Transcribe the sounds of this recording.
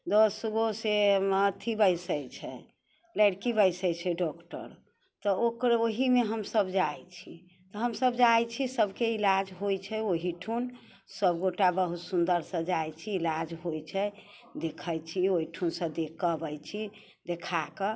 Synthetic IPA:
d̪osɡoseət̪ʰibəjsəjt͡ʃʰɛ | lɛɽkibəjsəjt͡ʃʰɛɖɔkʈə̰ɾ | t̪ɔokɾoɦimeɦəmsəbd͡ʒajt͡ʃʰi | t̪ɔɦəmsəbd͡ʒajt͡ʃʰisəbkeilad͡ʒɦojt͡ʃʰɛoɦiʈʰun | səbɡoʈabəɦut̪sund̪əɾsə̃d͡ʒajt͡ʃʰiːlad͡ʒɦojt͡ʃʰɛ | d̪ekʰət͡ʃʰioiʈʰunsə̃d̪ekʰːəbəjt͡ʃʰi | d̪ekʰakə

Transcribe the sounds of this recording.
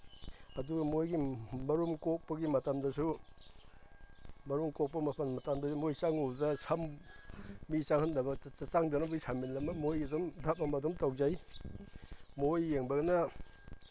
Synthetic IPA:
ɐduɡɐmojɡimɐɾumkɔk̚pɐɡimɐtamdɐsu | mɐɾumkɔk̚pɐmɐpʰɐnmɐtamdɐsumojsaŋudɐsam | misaŋhɐndɐbɐat͡ʃaŋdɐnɐbɯjsaminlɐmɐmojɐdɔmdʱap̚ɐmɐdɔmtawzaj | mojːeŋbɐɡɐnɐ

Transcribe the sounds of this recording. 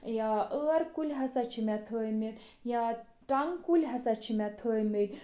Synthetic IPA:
jaʔəːɾkulʲɦɐsat͡ʃʰimʲat̪ʰəːjmit̪ja | ʈaŋkulʲɦɐsat͡ʃʰimʲɛt̪ʰəːjmət̪

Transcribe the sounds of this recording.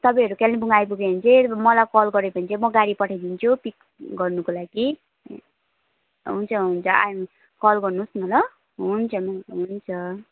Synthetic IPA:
t̪ʌpʌ̃ɦʌɾukelnebʱuŋɡajp̬uɡeɦont͡sʰemʌlakʌlɡʌɾepʌnt͡sʰemʌɡaɽipʌʈʰajd̪int͡sʰupik | ɡʌrnukolaɡi | ɦunt͡sʰʌɦunt͡sʰʌa̰m | kʌlɡʌrnusnʌlʌ | ɦunt͡sʰʌmʌɦunt͡sʰʌ

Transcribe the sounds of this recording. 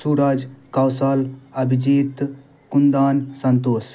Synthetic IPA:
suɾad͡ʒkawsalɐbʱid͡ʒiːt̪ | kund̪aːnsɐnt̪oːs

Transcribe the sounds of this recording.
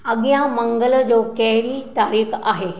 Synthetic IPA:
əɡjãməŋɡəld͡zokɛɦɾit̪aɾiːka̰ɦe

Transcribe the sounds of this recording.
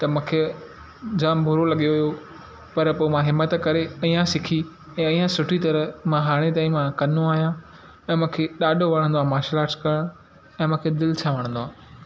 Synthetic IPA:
t̪ɐmũːkʰe | d͡ʑaːmbʱʊɾolɐɠijoɦijo | pɐɾpoːmãɦɪmːət̪kɐɾeiːãsɪkʰi | ɛ̃ːiːjãsʊʈʰit̪ɐɾə̆mãɦaːɽ̃et̪aːĩmãkɐnoaːɦijã | ɛ̃ːmũːkʰeɗaːɖʱoʋɐɽ̤̃ə̃nd̪oãːmãːʃlaːskɐɽ̃ | ɛ̃ːmũːkʰed̪ɪlɪt͡ɕʰaʋɐɽ̃ə̃nd̪oãː

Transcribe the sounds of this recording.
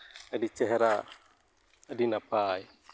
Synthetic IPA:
adit͡ʃɛɦɛɾa | adinapaj

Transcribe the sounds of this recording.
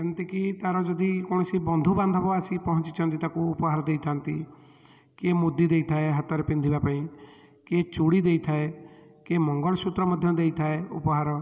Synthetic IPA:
knt̪ikit̪aɾɔd͡ʒɔd̪ikɔɽ̃ɔsibɔnd̪ʱuband̪ʱɔbɔasipɔɦɔ̃nt͡ʃit͡ʃʰɔnt̪it̪akuːpɔɦaɾɔd̪ejt̪ʰant̪i | kemud̪id̪ejt̪ʰaeɦat̪ɔɾepind̪ʱibapaĩ | ket͡ʃuɽid̪ejt̪ʰae | kemɔŋɡɔɭɔsut̪ɾɔmɔd̪ʱjɔd̪ejt̪ʰaeṵpɔɦaɾɔ

